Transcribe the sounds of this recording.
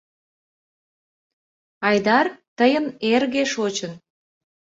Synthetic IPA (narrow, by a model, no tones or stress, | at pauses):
ɑjd̪ɑrt̪əjənerɣeʃot͡ɕən